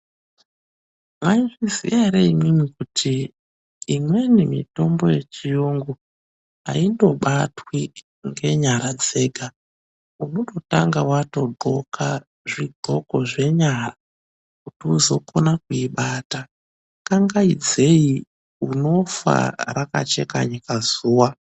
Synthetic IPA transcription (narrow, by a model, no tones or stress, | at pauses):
mwaiʐizḭjaɾeimimikutʰiː | mwe̞nimḭto̞mbo̞je̞t͡ʃijoŋɡu | ɦa̰indo̞ɓatwi | ŋɡe̞ɲaɾad͡ze̞ːɡʱa | uno̞to̞taŋɡawato̞dʱo̞kʰa | ʐiɡʱo̞ko̞ʐe̞ɲara | kutiuzo̞konakuiɓata | kaŋɡaid͡ze̞i | uno̞fa̰ɾaka̰t͡ʃe̞ka̰ɲikazuːwa